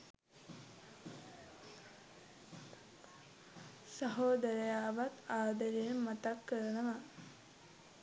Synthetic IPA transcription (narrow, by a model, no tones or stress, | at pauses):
səɦoːd̪əɾəjaːʋat̪aːd̪əɾemat̪akːəɾənəʋa